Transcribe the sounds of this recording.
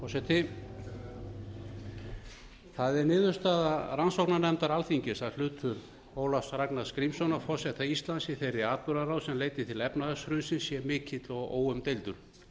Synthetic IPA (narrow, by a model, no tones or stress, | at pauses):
fɔsɛt̪ʰɪ | θaðɛɾnɪːðʏ̥st̪aːðaransɔknanɛmt̪aɾalθiɲcɪsaðl̥ʏːt̪ʰʏɾ | oːwlafsɾaknaðskɾimsɔnafɔsɛt̪ʰaist̪lansɪθejɾɪaːt̪̚pʏɾaɾawsɛmleːjt̪ɪt̪ʰɪlɛpnaðasɾʏːðsɪnsjɛmɪːcɪt̪lɔɣo̰ːwʏmt̪ejlt̪ʏɾ̥